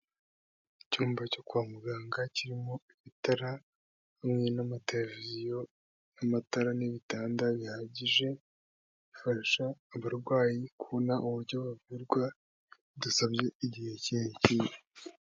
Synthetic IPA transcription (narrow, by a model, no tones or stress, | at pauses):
icuːmbaco̞kuamuɡaːŋɡaciɾimo̞iβitaɾa | hamŋe̞namate̞levizijo̞ | namataɾaniβitaːndaβihaːɟiʒe̞ | βifaɾʃaːβaɾɡwaːjikuβonaʔuβuɾɟo̞βuviɾɡwa | dasabɟeiɟihe̞ciɲecije